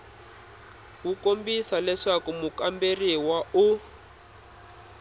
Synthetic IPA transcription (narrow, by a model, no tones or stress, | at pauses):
kukombisalɛʂakumukamberiwau